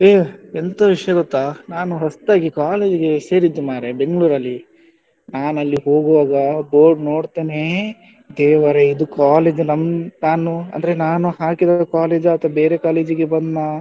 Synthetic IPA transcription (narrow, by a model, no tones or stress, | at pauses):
eːent̪ɐʋiʂɐjɐɡot̪ːaːnaːnuɦɐst̪aːɡikaːle̞ːd͡ʒiɡe̞se̞ːɾid̪ːumaːɾebe̞ŋɡɭuːɾɐlːi | naːnɐlːiɦo̞ːɡuʋaːɡɐbo̞ːɾɖnoːɖt̪eːne | d̪ɛːʋɐɾeid̪ukaːleːd͡ʒnɐmnaːnuɐ̰nd̪ɐɾenaːnuhaːkid̪aɐkaːle̞ːd͡ʒaːt̪ʋɐbeːɾekaːle̞ːd͡ʒiɡebɐnd̪na